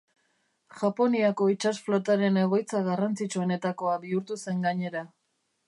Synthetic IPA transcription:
ʝapo̞niako̞it͡ʃasflo̞t̪aɾe̞ne̞ɣ̞o̞jt͡saɣarant͡sit͡ʃue̞ne̞t̪ako̞abiuɾt̪use̞ŋɡaɲe̞ɾa

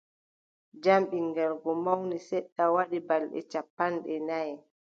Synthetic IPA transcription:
d͡ʒamɓiŋɡɛlɡɔmawnisɛɗːawaɗibalɗɛ̰t͡ʃapːanɗɛnaj

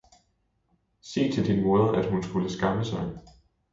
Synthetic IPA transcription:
se̝̰ːt͡sʰe̝ld̥inmɔ̽ːðˠɐʔæd̥hunsɡ̥uləsɡ̥ɑ̈məsɑ̈ɪ

